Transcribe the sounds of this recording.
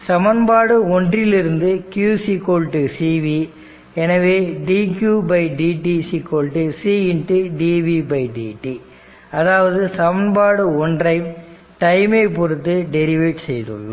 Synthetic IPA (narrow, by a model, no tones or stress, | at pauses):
sɐmɐnbaːɽɯɔndrɪlɪɾɯnd̪ɯkjuːsikoːlʈɯsiːʋi | ɛnɐʋeːɖiːkjubɐɪɖiːʈisiːkoːlʈɯsiːɪnʈɯɖiːʋibɐɪɖḭːʈːi | ɐðaːʋɐðɯsɐmɐnbaːɽɯɔndrɐɪm | ʈɐɪmeːpɔɾɯt̪ːɯɖɛɾɪʋeːʈsɛjðɯ̰ɭːɯ̰